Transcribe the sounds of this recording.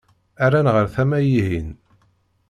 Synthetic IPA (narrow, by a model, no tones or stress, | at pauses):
æɾænʁəɾθæmæjihin